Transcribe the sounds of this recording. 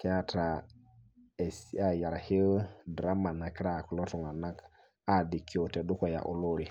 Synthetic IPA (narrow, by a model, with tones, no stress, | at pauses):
ke˦a˦tɾa˨ | e˨si˦a˨ja˨ɾa˨hi˦ldɾa˦ma˨na˨ki˦ɾa˨ku˨lo˦tɔ˨ŋa˨na˦k | a˨di˨kːi˨˦o˨te˨ɗu˦ko˨ja̰˨ʔu˨lo˦ɾi˨